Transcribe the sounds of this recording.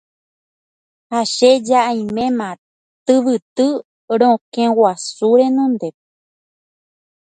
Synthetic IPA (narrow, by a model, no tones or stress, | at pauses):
haʃe̞d͡ʒaʔaj̃mẽ̞mã | t̪ɨʋɨt̪ɨ | ɾõkẽwasuɾẽ̞nõnd̪e̞